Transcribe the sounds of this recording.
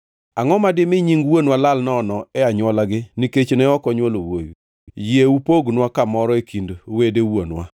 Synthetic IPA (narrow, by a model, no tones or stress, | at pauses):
aŋɔmadɪmɪɲiŋɡwonwalalnɔnɔɛaɲwɔlaɡɪniket͡ʃnɛɔkɔɲwolowo̰ju | jɪeupoɡnwakamɔɾɔekʰindwedewonwa̰